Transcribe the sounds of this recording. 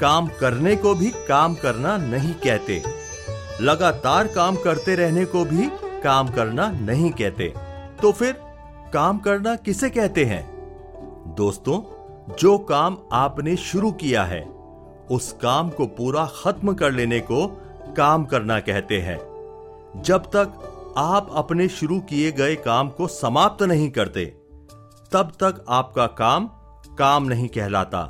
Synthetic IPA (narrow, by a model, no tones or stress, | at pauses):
kaːmkɐɾnekobʱikaːmkɐɾnanɐɦĩkɛɦt̪ḛː | lɐɡaːt̪aːɾkaːmkɐɾt̪eɾɛɦnekobʱikaːmkɐɾnanɐɦĩkɛɦt̪ḛːt̪oːfɪɾ | kaːmkɐɾnakɪsekɛɦt̪eɦɛ̰̃ː | d̪oːst̪õ | d͡ʒoːkaːmaːpneʃʊɾukija̰ɦɛ̰ː | ʊskaːmkopuːɾaxɐt̪mkɐɾleːneko | kaːmkɐɾnakɛɦt̪eɦɛ̰̃ː | d͡ʒɐbt̪ɐkaːpɐpneʃʊɾukieɡɐekaːmkosɐmaːp̚t̪nɐɦĩkɐɾt̪ḛː | t̪ɐbt̪ɐkaːp̚kakaːm | kaːmnɐɦĩkɛɦla̰ːt̪a̰ː